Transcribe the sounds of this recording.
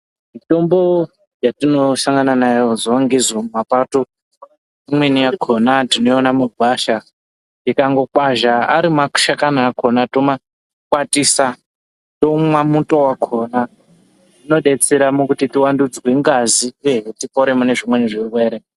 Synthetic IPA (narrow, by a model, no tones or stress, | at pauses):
mito̞mbo̞ | jatino̞saŋɡananajozowaŋɡizomumapato | imwenijakʰonatinoonamuɡʱwaʃa | nikaŋɡo̞kwaʒaaɾimaku̥ʃakanaːkonatoma | kwatisa | to̞mwamutowakʰona | tino̞ɗe̞t͡seɾamukutitiwandud͡zweŋɡazieɦetipoɾemune̞ʐimwe̞niʐiwe̞ːɾe